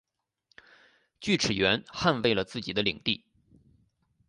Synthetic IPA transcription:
t͡ɕy˥˩ʈ͡ʂʰɻ̩˨˩ɥɛ˧˥nxa˥˧nwe˥˩ɪlə˩t͡sɹ̩˥˩t͡ɕi˨˩d̪ə˦li˨˩ŋt̪i˥˩

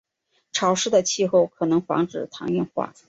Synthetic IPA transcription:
ʈ͡ʂʰɑ˨˥ʊʂɻ̩˥˩d̪ə˩t͡ɕʰi˥˧xo˥˩ʊkʰɤ˨˩nɤ˧˥ŋfɑ̰˧˥ŋʈ͡ʂɻ̩˨˩t̪ʰɑ˧˥ŋjɛ˥˧nxwa̰˥˩

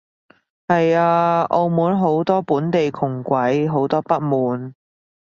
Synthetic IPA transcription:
hɐ˨jaː˧ʔo˧wmuː˨˥nɦo˨˥wt̪ɔː˥puː˨˥nt̪e˨jkʰʊ˨˩ŋkʷɐ˨˥jɦo˨˥wt̪ɔː˥pɐ˥t̚muː˨˥n

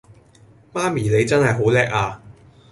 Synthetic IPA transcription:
maː˥miː˨˩le˨˧jt͡sɐ˥nhɐ˨jɦo˨˥wlɛː˥k̚aː˧

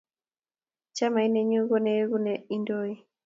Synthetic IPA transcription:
t͡ʃa˦ma˨i˦nɛ˦ɲu˦ɣɔ˦nɛ˦ɣu˦nɛi˦ndoi˦

